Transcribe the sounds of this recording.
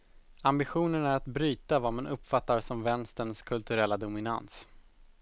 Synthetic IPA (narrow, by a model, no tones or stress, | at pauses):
ambɪɧuːnəɳæɾat̪bɾyːt̪avaːɾmanʔɵpːfat̪ːaɾsɔmvɛnst̪ənskʰɵlt̪ɵɾɛlːad̪ʊmɪna̰ns